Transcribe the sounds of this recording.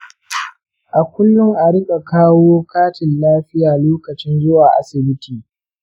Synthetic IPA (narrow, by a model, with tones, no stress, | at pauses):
ʔa˨kʷʊ˦lːʊ˦ŋʔa˨ɾɪ˦ɓʼe˨kaː˦woː˦kaː˦tɪ˨nlaː˦ɸɪ˦jaː˨loː˦kɐ˨t͡ʃɪ˦nzʊ˦waː˨ʔa̰˦sɪ˨bɪ˦tiː˨